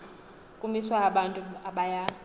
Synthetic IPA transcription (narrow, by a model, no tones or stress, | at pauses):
kʼumiswaaɓantʼuaɓaja